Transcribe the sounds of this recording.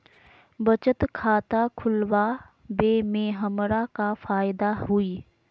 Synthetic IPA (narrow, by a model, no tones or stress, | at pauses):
bət͡ʃət̪kʰaːt̪akʰʊlwa | beːmẽːɦəmɾakafaːjɪd̪aɦʊiː